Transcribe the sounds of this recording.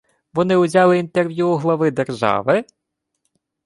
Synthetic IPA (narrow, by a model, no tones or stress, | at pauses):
ʋɔnɪʊzʲɑlˠɪint̪erʋʲjuːɦlˠɔʋɪd̪erʒɑ̰ʋɪ